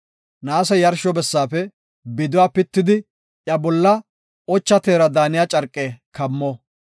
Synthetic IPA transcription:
naːsɐjɐɾʃɔbɛsːaːfɛ | bɪd̪ʊwaːpɪt̪ːɪd̪ɪ | jɐbɔlːɐ | ɔt͡ʃːɐt̪eːɾɐd̪aːnɪjat͡ʃʼɐɾkʼːeːkɐmːɔ

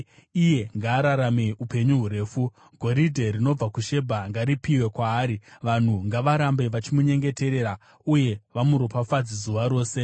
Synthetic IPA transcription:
ije̞ŋɡaːɾaɾameupe̞ɲuɦuɾe̞ːfu | ɡʱo̞ɾidʱe̞rino̞b͡vakuʃe̞bʱaŋɡaɾipiwe̞kwaːɾiʋan̤uŋɡaʋaɾambe̞ʋat͡ʃimuɲe̞ŋɡe̞te̞ɾe̞ːɾa | uje̞ʋamuɾopafad͡zizuʋaɾo̞ːse̞

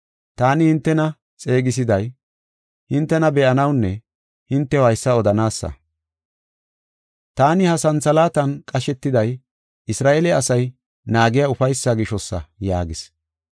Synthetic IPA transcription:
t̪aːnɪhɪnt̪ːɛnɐ | t͡sʼe̞ːɡɪs̬ɪd̪ɐj | hɪnt̪ːɛnɐbɛʔɐnɐwnːɛ | hɪnt̪ːɛhɐjsːɐɔd̪ɐnaːsːɐ̰ | t̪aːnɪhɐsɐnt͡sɐlaːt̪ɐnkʼɐʃɛt̪ːɪd̪ɐj | ʔɪsɾaːʔeːlɛɐsɐj | naːɡɪjaʊfɐjsːaɡɪʃɔsːɐ̰ja̰ːɡɪs

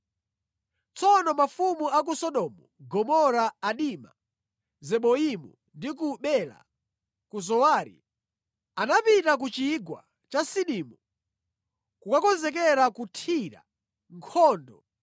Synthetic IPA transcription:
t͡sɔnɔmafumuak̬usɔɗɔmuɡɔmɔɾaːɗima̰ | zɛɓɔimṵ | ndik̬uɓɛla̰ | kuz̬ɔwaːɾḭ | anapitak̬ut͡ʃiɡwa̰ | t͡ʃasiɗiːmu | kukakɔnzɛk̬ɛɾakutʰiɾa̰ | ŋkʰɔːndɔ

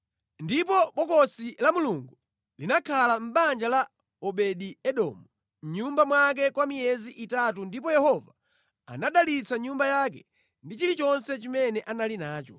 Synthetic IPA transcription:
ndipɔɓɔkɔsilamuluŋɡu | linakʰalam̩ɓand͡ʒala | ɔɓɛɗiɛɗɔ̰ːmu | ɲumbamwak̬ɛkwamijɛziʔitatundipɔjɛhɔva̰ː | naɗalit͡saɲumbajak̬ɛ | ndit͡ʃilit͡ʃɔnsɛt͡ʃimɛnɛʔanalinaːt͡ʃɔ̰

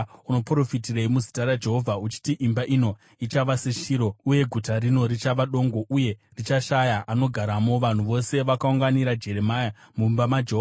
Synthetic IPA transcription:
uno̞pro̞fitireimuzitaɾad͡ʒe̞ɦo̞vʱaut͡ʃi̥tiʔimbaʔino̞ | it͡ʃaʋaseʃiːɾo̞uje̞ɡʱutaɾino̞ɾit͡ʃaʋaɗo̞ŋɡo̞ʔuje̞rit͡ʃaʃajaʔano̞ɡʱaɾamo̞ʋan̤uʋo̞se̞ʋakauŋɡaniɾad͡ʒe̞ɾe̞majamumbamad͡ʒeɦoa

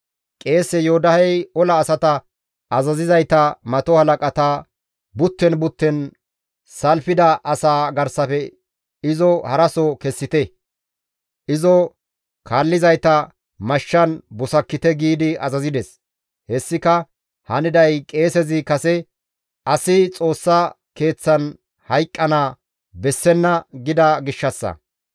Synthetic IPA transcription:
kʼe̞ːsɛjoːd̪ɐhɛjɔlɐːsɐt̪ɐ | ɐzɐzɪzɐjt̪ɐmɐt̪ɔhɐlɐkʼɐt̪a | bʊt̪ːɛnbʊt̪ːɛn | sɐlfɪd̪ɐʔɐsaːɡɐɾsɐfɛ | ɪzɔhɐɾɐsɔkɛsːɪt̪ɛ | ʔɪzɔ | kʰaːlːɪzɐjt̪ɐ | mɐʃːɐnbʊsɐkːɪt̪ɛɡiːd̪ɪɐzɐzɪd̪ɛs | hɛsːɪkɐ | hɐnɪd̪ɐjkʼe̞ːsɛzɪkɐsɛ | ɐsɪt͡sʼo̞ːsːɐ | ke̞ːt͡sːɐn | hɐjkʼːɐnaː | bɛsːɛnːɐɡɪd̪ɐɡɪʃːɐsːɐ̰

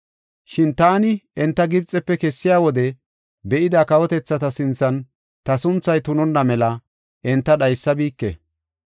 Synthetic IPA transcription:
ʃɪnt̪aːnɪɛnt̪ːɐɡɪbt͡sʼːɛpːɛkɛsːɪjaːwɔd̪ɛ | bɛʔɪd̪akɐwɔt̪ɛt͡sːɐt̪ɐsɪnt͡sːɐn | t̪ɐsʊnt͡sːɐjt̪ʊnɔnːɐmɛlɐ | ʔɛnt̪ːɐɗɐjsːɐbiːkːɛ̰

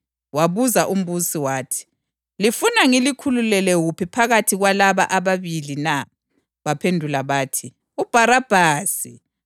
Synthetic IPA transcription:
waβuzaʔum̩βusiwaːtʰi̥ | lifunaŋilikʰululɛlɛɣupʰipʰaɣatʰiɣwalaβaʔaβaβilina | βapʰendʱulaβaːtʰi | ub̥ʱaɾab̥ʱaːsi

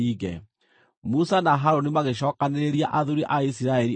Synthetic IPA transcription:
iɣɛ̰ | musanaɦaɾonimaɣeʃ̬ɔːkaneɾeɾiaʔaðuɾiʔaisiɾaɛɾi

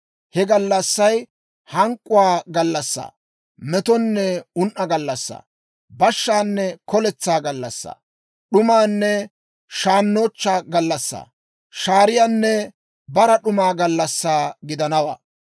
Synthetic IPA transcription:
hɛɡɐlːɐsːɐj | hɐŋkʼːʊwaːɡɐlːɐsːa̰ː | mɛt̪ɔnːɛʊnʔɐɡɐlːɐsːa̰ː | bɐʃːaːnːɛkɔlɛt͡sːaːɡɐlːɐsːa̰ː | ɗʊmaːnːɛ | ʃaːnːoːt͡ʃːaːɡɐlːɐsːa̰ː | ʃaːɾɪjanːɛ | bɐɾɐɗʊmaːɡɐlːɐsːaːɡɪd̪ɐnɐwa̰ː

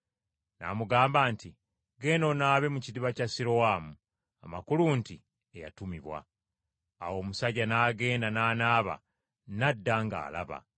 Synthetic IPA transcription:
na̰muɡaːmbaːnti | ɡe̞no̞naːβe̞mucidiβacasiɾowaːmu | amakulunti | eja̰tumiβwa̰ː | wo̞ːmusaɟanaːɡe̞ːndanaːnaːβa̰ | nadːaŋɡa̰ːla̰βa̰

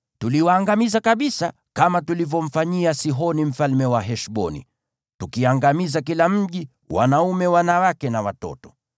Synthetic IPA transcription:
tuliwaːŋɡamizakaɓisa | kamatulivɔm̩faɲiasiɦɔnim̩falmɛwaɦɛʃɓɔnḭ | tukiaŋɡamizak̬ilam̩ʄi | wa̰naumɛwanawakɛnawatɔ̰tɔ̥

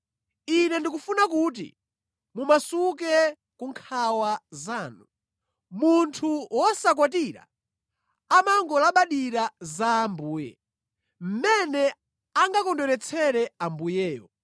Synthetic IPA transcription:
inɛndikufunakuːt̬ḭ | mumasuk̬ɛ | kuŋkʰawazaːnu | muntʰuwɔsak̬wat̬iːɾa̰ | amaŋɡɔlaɓaɗiɾazaːmbuːjɛ̰ | m̩mɛnɛ | aŋɡakɔndɔɾɛt͡sʰɛɾɛambujɛːjɔ̰

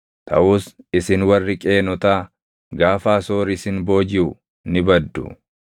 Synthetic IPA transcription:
t̪ʰɐ̰ʔuːsɪsɪnwɐrːɪkʼe̞ːnɔt̪aː | ɡaːfaːso̞ːɾɪsɪnbo̞ːd͡ʒɪʊ | nɪbɐd̪ːʊ̰

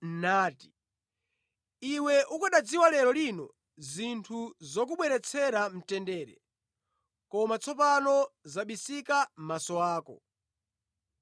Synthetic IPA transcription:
naːti̥ | iwɛʔukaɗad͡ziwalɛɾɔlinɔ | zintʰuzɔk̬uɓwɛɾɛt͡sʰɛɾam̩tɛndɛːɾɛ̰ | kɔmat͡sʰɔpanɔzaɓisikam̩masɔaːkɔ̰

